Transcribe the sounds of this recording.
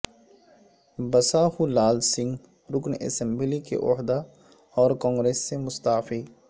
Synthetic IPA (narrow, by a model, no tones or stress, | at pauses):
bɐsahulaːlsɪ̃ŋɡ | ɾʊknḛːsẽmbilikḛʔoɦd̪a | ɔːɾkɔ̃ːŋɡɾeːsːemʊst̪aːfiː